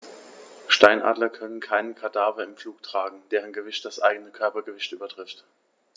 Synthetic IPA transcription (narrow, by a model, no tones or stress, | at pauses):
ʃtaɪnʔa̰ːdlɐkʰœnənkʰaɪnənkʰadaːvɐɪmfluːktʁ̥aːɡŋ̩d̥eːʁənɡəvɪçt̚d̥asʔaɪɡənəkʰœɐpɐɡəvɪçtʔyːbɐtʁ̥ɪft